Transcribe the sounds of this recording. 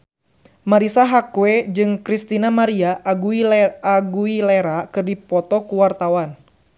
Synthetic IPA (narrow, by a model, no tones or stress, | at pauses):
maɾisaɦakued͡ʒɨŋkɾist̪inamaɾiaʔɡuiaɡuileɾakɨrdipɔt̪ɔkuwart̪awan